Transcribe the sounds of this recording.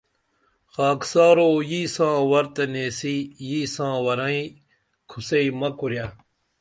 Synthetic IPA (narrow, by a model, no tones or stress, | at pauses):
xaːksaːɾoːjiːsãːwɐɾt̪eneːsiːjiːsãːwɐɾɐ̃ĩ | kʰuseimɐkuɾja